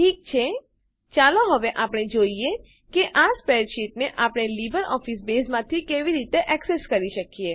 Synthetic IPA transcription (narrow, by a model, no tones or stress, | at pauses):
ʈʰik̚t͡ʃʰe | t͡ʃaloɦəʋeʔapəɽ̃ed͡ʒoie | keʔaspeɾʃiʈneʔapɽ̃elibəɾɔfisbesmãt̪ʰikeʋiɾit̪eʔɛkseskəɾiʃəkije